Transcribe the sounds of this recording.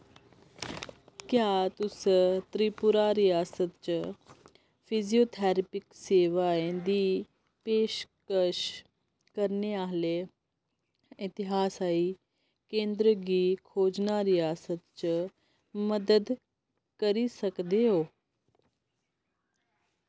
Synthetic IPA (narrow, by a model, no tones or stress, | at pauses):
kjat̪usət̪ɾipuɾaɾijaːsət̪t͡ɕə | fʰiziot̪ʰaɾpɪkseːʋaed̪iː | peːʃkəɾʃ | kəɾneaɦle | it̪iɦaːsai | kẽːnd̪ɾəɡiːkʰoːd͡ʑnaɾijaːsət̪t͡ɕə | məd̪əd̪ | kəɾisəkd̪eɦoː